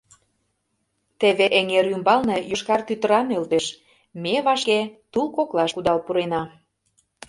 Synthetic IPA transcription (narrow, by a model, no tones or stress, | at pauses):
t̪eβeʔeŋeɾymbɑlnejoʃkɑrt̪yt̪ə̆ɾɑmelt̪eʃ | meβɑʃket̪ulkoklɑʃkud̪ɑlpuɾenɑ